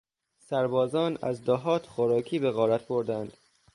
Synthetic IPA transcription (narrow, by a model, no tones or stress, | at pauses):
sæɾbɒːzɒːnæ̰zd̪ɒɦɒːt̪ʰxoɾɒːkʰiːbeɣɒːɾæt̪ʰboɾd̪ænd̪̥